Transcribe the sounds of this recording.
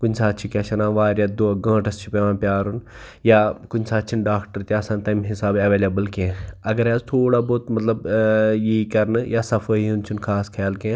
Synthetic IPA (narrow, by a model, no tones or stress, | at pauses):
kʊnsaːt̪ːt͡ʃʰikʲet͡ʃɐnãːʋaːɾjad̪oɡãːʈɐst͡ʃʰipeʋãːnpʲjaːɾun | jaːkʊnʲsaːt̪ːt͡ʃʰinɖaːkʈəɾt̪iaːsãːnt̪ɐjmɦɪsaːbɐʋeːleːbəlkẽɐɡɐɾɛzt̪ʰoːɽaːboːt̪mɐt̪lɐbjikɐɾnɨjaːsɐfʰəiunt͡ʃʰunkʰaːskʰɐjaːlkẽ